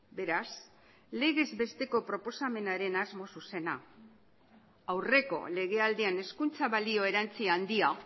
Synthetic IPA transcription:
be̞ɾas | le̞ɣe̞zbe̞st̪e̞ko̞pɾo̞po̞same̞naɾe̞nazmo̞suse̞na | awre̞ko̞̰le̞ɣ̞e̞ald̪iane̞skunt͡saβalio̞e̞ɾant͡siand̪ia

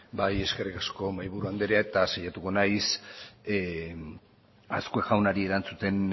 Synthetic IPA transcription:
baje̞ske̞rikasko̞majβuɾuand̪e̞ɾeaet̪asajat̪uko̞najs | askueʝawnaɾie̞ɾant͡sut̪e̞n

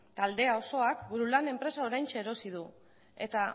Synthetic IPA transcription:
t̪ald̪e̞ao̞so̞akbuɾulane̞mpɾe̞sao̞ɾajnt͡ʃeːɾo̞sið̞u | e̞t̪a

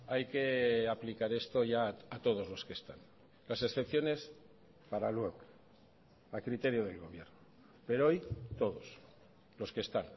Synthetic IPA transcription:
ajke̞aplikaɾe̞st̪o̞ʝaːt̪o̞ð̞o̞zlo̞ske̞st̪a̰n | lasesθe̞pθjo̞ne̞s | paɾalweɣ | akɾit̪e̞ɾjoð̞e̞lɣo̞β̞je̞ɾno | pe̞ɾoojt̪o̞ðos | lo̞ske̞st̪an

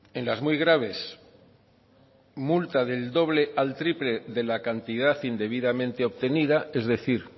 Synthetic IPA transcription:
ẽ̞nlazmujɣɾaβ̞e̞s | mult̪aðe̞ld̪o̞β̞le̞ʔalt̪ɾiple̞ðe̞lakant̪ið̞aθind̪e̞β̞iðamẽnt̪eoβt̪e̞niðae̞zðe̞θiɾ

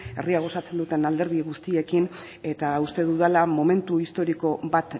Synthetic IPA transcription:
e̞riaɣ̞o̞sat͡se̞nd̪ut̪e̞nald̪e̞ɾðiɣust̪ie̞kin | e̞t̪aust̪e̞ð̞uðelamo̞me̞nt̪uist̪o̞ɾiko̞βat̪

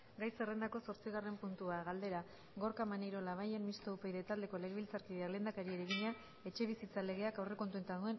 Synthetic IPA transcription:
ɡajse̞re̞nd̪ako̞so̞ɾt͡siɣare̞mpunt̪uaɣald̪e̞ɾa | ɣoɾkamanejɾo̞laβ̞aje̞nmist̪oupejðe̞t̪ald̪e̞ko̞le̞ɣeβilt͡saɾkiðeakle̞ːnd̪akaɾieɾeɣiɲa | e̞t͡ʃe̞β̞isit͡sale̞ɣe̞akawre̞ko̞nt̪uent̪aðue̞n

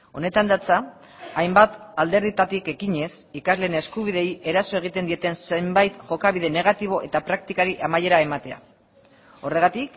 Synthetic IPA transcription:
o̞ne̞t̪and̪at͡sa | ajmbat̪ald̪e̞ɾðit̪at̪ike̞kiɲe̞s | ikazle̞ne̞skuβ̞iðe̞je̞ɾaso̞e̞ɣ̞it̪e̞nd̪ie̞t̪e̞nsembajt̪ʝo̞kaβiðe̞ne̞ɣ̞at̪iβ̞o̞ʔe̞t̪apɾak̚t̪ikaɾiʔamaje̞ɾae̞mat̪e̞a̰ | o̞re̞ɣ̞at̪ik

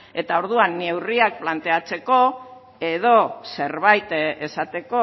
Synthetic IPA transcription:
e̞t̪ao̞ɾðuanːe̞wriak̚plant̪e̞at͡se̞ko̞ | e̞ðo̞se̞ɾβajt̪e̞sat̪e̞ko̞

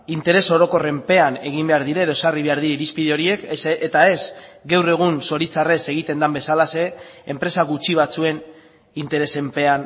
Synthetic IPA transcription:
int̪e̞ɾe̞so̞ɾo̞ko̞re̞mpe̞ane̞ɣ̞imbe̞aɾðiɾaeðo̞esariβe̞aɾðiɾeiɾispiðeo̞ɾie̞ket̪ae̞zɡewre̞ɣ̞unso̞ɾit͡sare̞se̞ɣ̞it̪e̞nd̪ambe̞salase̞ːmpɾe̞saɣut͡ʃiβ̞at͡sue̞n | int̪e̞ɾe̞se̞mpe̞an

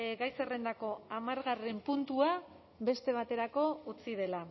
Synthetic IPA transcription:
ɡajse̞re̞nd̪ako̞amaɾɣare̞mpunt̪ua | be̞st̪e̞β̞at̪e̞ɾako̞ut͡sið̞e̞la

